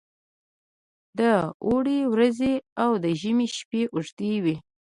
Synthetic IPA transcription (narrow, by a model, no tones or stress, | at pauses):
d̪əoɽewɾazeawd̪əʒəmiʃpeʔuʐt̪iwi